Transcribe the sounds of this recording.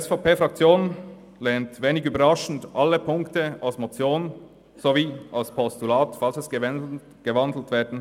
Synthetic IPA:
iɛsfɑʊpeːfʁɑkt͡sjoːn | lɛːntveːnɪɡyːbəɐʁaʃn̩dʔalːəpʰʊŋktəalsmot͡sjoːn | z̥oviːalspʰɔstulaːtfalsɛs | ɡ̥əvandl̩tv̥ɛːɐdn̩

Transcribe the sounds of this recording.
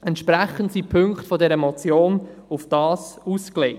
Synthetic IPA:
ɛntʃpɾæχən̩tsipʰɵŋkχtfɔdɛɾəmɔt͡sjoːnufd̥ɑːsuskleɪ

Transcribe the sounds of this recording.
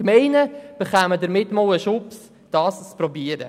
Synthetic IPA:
mɛɪnəb̥əχæːmədəɾmɪtːmowəʃʊps | d̥ɑːst͡spɾɔbiəɾə̰

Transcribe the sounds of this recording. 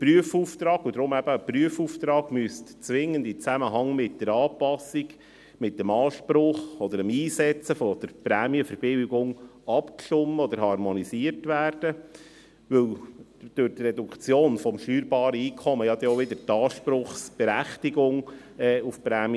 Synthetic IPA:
pɾyəfuːft̪ɾɑːɡ̥ʊd̪ɾʊmæb̥əpryəfuːft̪ɾɑːɡ̥myəstt͡sʋɪŋːəndɪt͡sæməɦɑŋmɪt̚dəɾɑːpɑsiɡ | mɪtːəmɑːʃpɾʊχɔd̪əɾəmiːsɛt͡səfɔd̥̪əɾpɾæːmjəfəɾbɪwɡʊŋɑpkʃtʊmːəɔd̪əɾhɑrmɔnisiːəɾtʋæːrd̥ə | ʋɵwl | d̪̥ʊɾtrɛd̪ukt͡sjoːnfɔmʃtyːɾbɑːɾəiːkʰɔməjɑd̪ɛoʋɪd̪əɾtɑːʃpɾʊχsb̥ɛɾæχtiɡʊŋ | ɛːufpɾæːm

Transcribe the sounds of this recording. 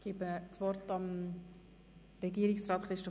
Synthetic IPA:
ɡ̥ibət͡svɔrtɑm | ɾɛɡiːəɾɪksrɑːtχɾɪʃtɔ

